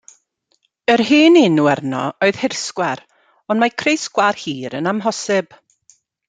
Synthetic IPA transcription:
ərɦiːnɪnuɛrnɔ̰oɨð̥hɪrskwɛɾ | ɔnmakʰrejsɡwarhiːɾənamɦɔsɪb̥

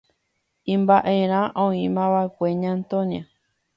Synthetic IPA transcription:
ĩmbaʔeɾ̃ãʔõĩmãʋaekʷeɲãnt̪õɲã

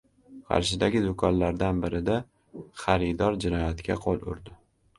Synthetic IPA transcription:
qʰɑ̰ɾʃɪd̪aɡʲɪd̪ʊkʰɒnlaɾd̪anbɪɾɪd̪a | χɑɾɪd̪ɒɾd͡ʒɪnɒjat̪kʲʰa̰qʰolˠʊ̰ɾd̪ɪ

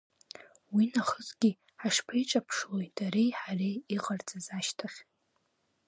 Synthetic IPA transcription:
winaχəzɡʲi | ħaʂpʰajʈ͡ʂʼapʰʂlo̞jdʰaɾejħarejiqʼart͡sʼazaʃtʰaχʲ

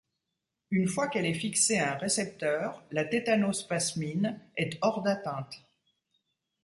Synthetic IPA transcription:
ynfwakɛlɛfikseaɛ̃ʁesɛp̚t̪œʁlat̪et̪anospasminɛt̪ɔʁd̪at̪ɛ̃t̪

